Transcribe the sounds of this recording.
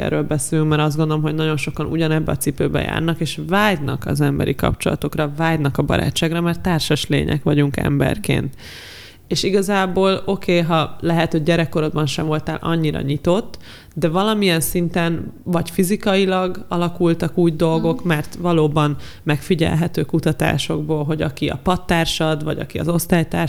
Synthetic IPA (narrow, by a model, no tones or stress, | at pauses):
ɛ̰ɾøːlbɛseːlyŋkmɛɾɒzdɡo̞nd̪olmɦo̞ɟnɒɟo̞nʃo̞kɒnuɟɒnɛbːɛɒt̪sipøːbɛ̰ja̰ːrnɒkeːʃvaːjd̪nɒkɒ̰zɛmbɛ̰ɾikɒ̰p̚t͡ʃo̞lɒ̰t̪o̞krɒvaːjd̪nɒkɒbɒ̰ɾa̰ːt͡ʃːaːɡrɛmɛrt̪ːaːrʃɒʃlḛːɲɛ̰kʋɒɟuŋkɛ̰mbɛ̰rkḛːnt̪ | eːʃiɡɒzaːboːlo̞kʰeːɦɒlɛɦɛt̪ho̞ɟɟɛɾɛkːo̞ɾod̪̚bɒnʃɛɱvo̞lt̪aːlʔɒ̰ɲːiɾɒ̰ɲit̪o̞t̪ː | d̪ɛvɒlɒmijɛnsint̪ɛnvɒɟfizikɒjilɒɡɒlɒkult̪ɒkuːɟd̪o̞lɡo̞kmɛrt̪vɒloːbɒn | mɛkfiɟɛ̰lɦɛt̪øːkut̪ɒt̪a̰ːʃo̞ɡ̚boːlɦo̞ɟɒkiɒ̰pɒt̪ːaːrʃɒd̪vɒ̰ɟɒ̰kiɒ̰zo̞st̪aːjt̪aːr